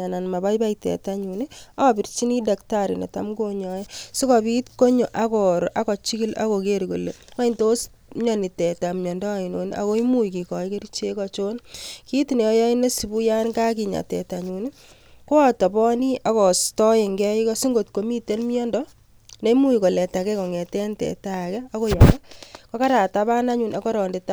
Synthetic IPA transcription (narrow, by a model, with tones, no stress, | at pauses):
a˨na˨nma˨βa˦jba˦itɛ̰˨ta˦ɲu˨ni˦a˦bi˨ɾt͡ʃi˦ni˦da˨kta˨ɾi˨nḛ˨ta̰˨mɡo˦ɲɔ˨jesi˦kɔ˨bi˦tko˦ɲo˨ʔa˦kɔɾo˨ʔa˦kɔ˨t͡ʃi˦ki˦la̰˦ko˨ke˦ɾko˨le˨wa˦i˨nto˦s | ɲɔ˨ni˨tɛ˨ta˨mɲɔ˨ndɔ˦a˨i˨no˨nʔa̰˨ko˦i˦mu˦iki˨kɔ˨jke˦ɾit͡ʃe˦kɔt͡ʃo˦nki˦ti˨ne˨ɔ˦ja˦ɪ˦ne˦si˨bu˦ja˦nka˦ki˨ɲa̰˨tɛ̰˨ta˨ɲu˨ni˦ | ko˦a˦tɔ˨bɔ˦ni˦ʔa˨kɔ˨stɔ˦e˨ŋɡɛ˦i˦kɔ˦si˦ŋɡo˨t̚ko˨mi˦te˦nmjɔ˦ndɔ | ne˦mu˦jkɔ˨lɛ˨ta˨kɛ˦kɔ˨ŋɛ˨tɛ˦ntɛ̰˨ta˨kɛ˦a˦ko˦jɔ˨ma˦kɔ˦ka˦ɾa˨ta˦βa˦na˦ɲu˨na˨kɔ˦ɾɔː˨nde˨ta